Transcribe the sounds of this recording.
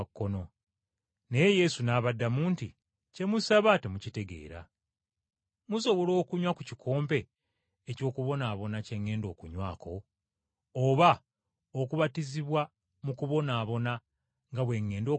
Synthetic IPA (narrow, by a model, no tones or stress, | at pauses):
kːo̞no̞ | ne̞je̞je̞sunaːβadːamuːnti | ce̞musaβate̞mucite̞ɡe̞̰ːɾa̰ | muso̞βo̞lo̞ːkuɲwakucikʰo̞ːmpe̞ | eco̞ːkuβo̞naːβo̞nace̞ŋːe̞ːndo̞ːkuɲwaːkʰo̞ː | βa | okuβatiziβwa | mukuβo̞naːβo̞na | ŋɡaβwe̞ːŋːe̞ːndo̞ː